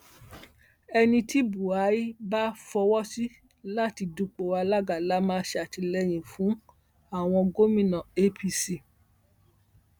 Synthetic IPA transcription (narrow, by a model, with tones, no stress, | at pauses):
ɛ˧nĩ˧ti˦bu˨a˨˦i˦ba˦fɔ˧wɔ˦si˦ | la˦ti˧du˧k͡po˨wa˧la˦ɡa˨la˦mãː˦˧˦ʃa˨ti˧lɛ˦j̃ĩ˨fũ˨˦ | a˦˨w̃ɔ̃˧ɡo˦mĩ˦˨nã˨e˦pi˧si˨